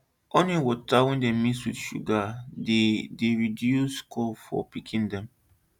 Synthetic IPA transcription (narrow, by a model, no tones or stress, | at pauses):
onĩwɔtawɛ̃ndemiswidʃṵɡadedeɹidjuskʰɔfɔ̰pikʰĩndɛ̃m